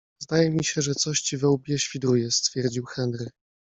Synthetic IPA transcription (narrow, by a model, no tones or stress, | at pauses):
zd̪ajɛmʲiɕɛʐɛt̪sɔɕt͡ɕivɛwbʲjɛɕfʲid̪ɾujɛst̪fʲjɛɾd͡ʑiwxɛnɾɘ